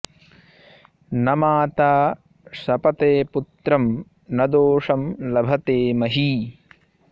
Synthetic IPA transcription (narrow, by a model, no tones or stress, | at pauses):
nɐmaːt̪aː | sɐpɐt̪eːput̪ɾɐm | nɐd̪oːʂɐmlɐbʱɐt̪eːmɐɦi